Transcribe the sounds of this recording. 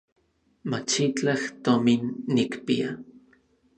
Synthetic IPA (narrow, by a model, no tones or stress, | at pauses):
mat͡ʃit͡ɬaht̪ominːikpia